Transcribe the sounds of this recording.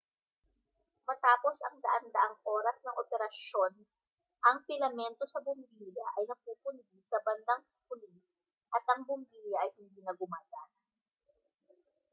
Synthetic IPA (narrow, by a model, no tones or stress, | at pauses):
mɐt̪aːpo̞sɐŋd̪ɐʔand̪ɐʔaŋʔo̞ːɾɐsnɐŋʔopɛɾɐʃon | ʔɐŋpɪlɐmɛnt̪o̞sɐbʊmbijɐʔɐjnɐpuːpʊnd̪isɐbɐnd̪aŋ | kʊli | ʔɐt̪ɐŋbʊmbiːjɐʔɐjhɪnd̪iːnɐɡʊmaːd̪an